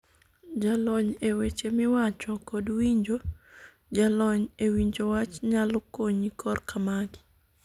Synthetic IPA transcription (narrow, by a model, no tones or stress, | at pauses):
d͡ʒalɔɲewet͡ʃemɪwat͡ʃɔkodwiɲd͡ʒo | d͡ʒalɔɲewiɲd͡ʒowat͡ʃɲalɔkoɲikʰɔrkamaɡɪ̥